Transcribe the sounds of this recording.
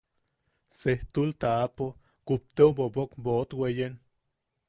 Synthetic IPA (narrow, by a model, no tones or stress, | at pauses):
seht̪ult̪aapo | kup̚t̪ewbobokboot̪wejen